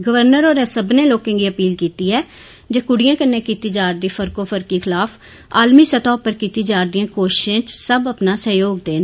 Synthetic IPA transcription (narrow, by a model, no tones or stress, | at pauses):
ɡəʋəɾnəɾoːɾẽːsəbnẽːloːkẽːɡiːəpiːlkiːt̪iːɛː | d͡ʒeːkʊɽɪjãːkənːẽːkiːt̪iːd͡ʒaːɾd̪iːpʰəɾkoːpʰəɾkiːkʰɪlaːpʰ | a̰ːlmiːsət̪ɔːpəɾkiːt̪iːd͡ʒaːɾd̪ijãːkoːʃɪʃẽːt͡ʃsəbəpnaːsəjoːɡd̪eːn